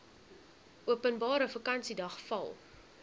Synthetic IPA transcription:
ʔuəpənbɑːɾəfəkɐnsidɐχfɐ̰lˠ

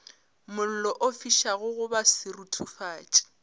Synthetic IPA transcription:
mʊl̩lɔʔofiʃaɣʊɣʊbasɪrutʰufaːt͡ʃʼɪ̥

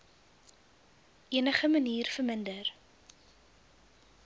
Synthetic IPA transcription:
ʔiənəχəməniːrfərməndər

